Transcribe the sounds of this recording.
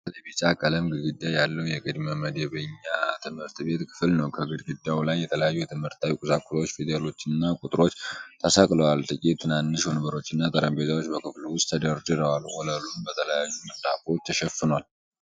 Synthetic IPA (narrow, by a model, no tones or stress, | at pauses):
lebit͡ʃʼakʼələmɡɨd̪ɡɨd̪ːajalːəwjɛɡʼɨd̪məməd̪eβəɲːat̪ʰɨmhɨɾt̪be̞t̪kʰɨ̥fɨlnəwkʰəɡɨd̪ɡɨd̪ːawlajːɛt̪ʰələjajːujɛt̪ʰɨmhɨɾt̪ːawikʼuzakʼʊso̞t͡ʃːfid̪alo̞t͡ʃːɨnːakʼut̪ʼɾo̞t͡ʃːt̪ʰəsakʼləwalt̪ʼɨkʼit̪t̪ʰːɨnanːɨʃhonɨβəɾo̞t͡ʃːɨnːat̪ʼəɾəmbezawo̞t͡ʃːbəkʰɨfluwʊst̪t̪ʰːəd̪əɾd͡ʒɨɾəwalwɔləlunbət̪ʰələjajːumɨɾt̪ʼafo̞t͡ʃːt̪ʰəʃɛfɨnowal